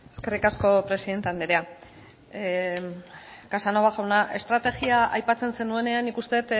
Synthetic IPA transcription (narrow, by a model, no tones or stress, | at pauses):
eske̞rikasko̞pɾe̞siðe̞nt̪e̞and̪eɾea | kasano̞β̞aɣawnaʔe̞st̪ɾat̪e̞ɣiaʔajpat͡se̞nse̞nue̞ne̞anːikust̪e̞t̪